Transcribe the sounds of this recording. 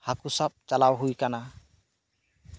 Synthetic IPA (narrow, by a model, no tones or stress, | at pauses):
hakusap̚t͡ʃalawɦujkana